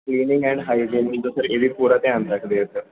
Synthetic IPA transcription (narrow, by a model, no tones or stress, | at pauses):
kliːnɪŋɡɛ̃ɳɖɦajɖẽnmit̪osəɾeʋiːpuɾat̪ẽãnt̪akd̪eət̪ə